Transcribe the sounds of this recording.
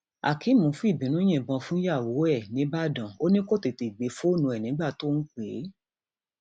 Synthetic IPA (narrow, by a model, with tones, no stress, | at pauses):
a̰˨ki˨˦mũ˨˦fũ˦i˦˨bĩ˨˦nũ˨˦j̃ɛ̃˦˨bɔ̃˧fũ˦ja˦˨wo˨˦ɛ˦˨nĩ˨˦ba˦dɔ̃˨o˦nĩ˦ko˦˨te˧˨te˨ɡ͡be˨˦fo˦nũ˧ɛ˨nĩ˨˦ɡ͡ba˦˨to˦ñ̩˦k͡pe˨˦